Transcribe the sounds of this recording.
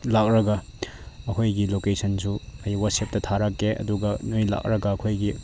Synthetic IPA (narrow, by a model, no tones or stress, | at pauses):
lakɾɐɡɐ | ɐkʰojɡilokesʰɐnsuɐjwɐsep̚tɐtʰaɾakːeʔɐ̰duɡɐnojla̰k̚ɾɐɡɐːkʰojɡi